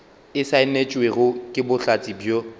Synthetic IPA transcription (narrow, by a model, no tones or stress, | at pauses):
ɪsaɪnet͡ʃʼweɣʊkʼɪbʊɬat͡sʼibjo